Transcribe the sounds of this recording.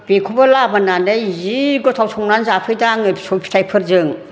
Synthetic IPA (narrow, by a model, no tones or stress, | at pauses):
b̥ekʰubalabananɯjziɡɔtʰawsʰɔŋnanzapʰɯjdaŋɯsɔpʰi̥tʰajpʰɯɾzɯŋ